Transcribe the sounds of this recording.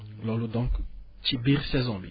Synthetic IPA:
lɔlud̪ɔ̃ŋk | t͡ʃibiʁsɛzɔ̃bi

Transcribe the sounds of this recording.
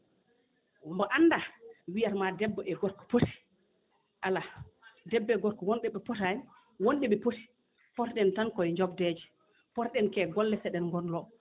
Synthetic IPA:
mbɔʔanːdawijaɾmadɛbːɔʔɛɡɔɾkɔ̥poti̥ | ʔaladɛbːɛɡɔɾkɔwɔnɗɛɓɛpɔtani | wonɗɛɓɛpoti̥ | pɔtɗɛntankɔjɲd͡ʒɔbdɛd͡ʒɛ | pɔtɗɛnkɛɡɔlːɛsɛɗɛnŋɡɔnlɔ

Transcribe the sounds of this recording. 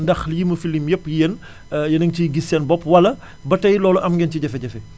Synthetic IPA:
ndɐxljiməfilimjɛpːjen | jɐnɐŋciɡisɛnbɔpːwɐlɐ | bɐtɐjlɔːluʔɐmɡɛnciɟɛfɛɟɛfɛ

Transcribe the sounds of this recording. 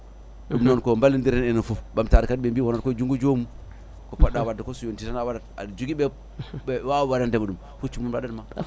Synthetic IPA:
umnonkombalːindiɾenenifubamtaɾkad̚ɓembiwonaɾkod͡ʒuŋɡud͡ʒomu | kopadawadakosujontitanawadata̰d͡ʒuɡibe | ewawadandemudum | fut͡ʃumunbadanma

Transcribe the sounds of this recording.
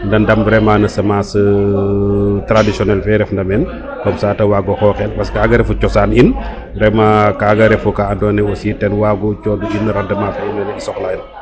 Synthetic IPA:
ndɐndɐmbɾɛmanɐsɐmasə | tɾadisɔnɛlfɛɾɛfndɐmɛn | kɔmsaːtɐwaɡɔxɔːxɛlpɐskaːɡɐɾɛfut͡ʃɔsaːnin | bɾɛmakaːɡɐɾɛfukaɐndɔːnɛositɛnwaɡut͡ʃɔduʔinːɾɐdɐmafɛinɐnɐisɔklɐin

